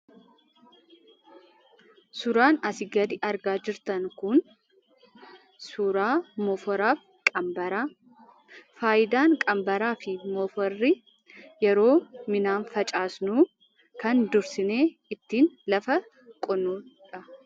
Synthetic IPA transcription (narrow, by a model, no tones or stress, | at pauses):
sʊɾaːnɐsɪɡɐd̪ɪʔɐɾɡaːd͡ʒɪɾt̪ɐnkʊn | sʊɾaːmɔfɔɾaːf | kʼbɐɾaː | faːjɪd̪aːŋkʼɐmbɐɾaːfɪmɔfɔrːɪ | jɛɾo̞ːmɪnaːnfɐt͡ʃʼaːsnuː | kɐnd̪ʊɾsɪne̞ː | ɪt̪ːiːnlɐfɐ | kʼɔnuːᶑɐ